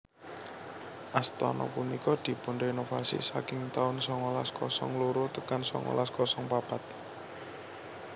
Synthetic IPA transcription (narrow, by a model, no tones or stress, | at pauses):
ʔast̪ɔ̰nɔ̰punikɔd̪̥i̤pundoinofasḭsakɪŋt̪aʊnsɔŋolaskɔsɔŋluɾot̪əkansɔ̰ŋo̰laskɔsɔŋpab̥at̪̚